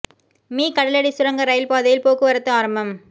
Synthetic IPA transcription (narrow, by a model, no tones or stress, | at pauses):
miːkɐɽɐlɐɽisʊɾɐŋɡɐɾɐɪlpaːðɐjɪlpoːkːɯʋɐɾɐt̪ːɯaːɾɐmbɐm